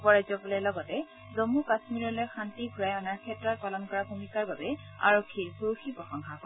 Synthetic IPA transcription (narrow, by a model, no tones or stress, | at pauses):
pɔɹajzɔpɔlɛlɔɡɔtɛ | zomukasmiɹɔlojxʰantiɡʱuɹajɔnaɹkʰɛtɹɔt̚palɔnkɔɹabʱumikaɹbabɛ | a̰ɹokʰːiɹpoɹuxipɹɔxɔŋkʰakɔ